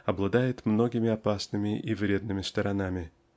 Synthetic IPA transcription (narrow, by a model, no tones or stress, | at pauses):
ɐblˠɐd̪ajɪt̪mno̞ɡʲɪmʲɪɐpasnɨmʲɪʔivɾʲe̞d̪nɨmʲɪst̪ɐɾɐnamʲɪ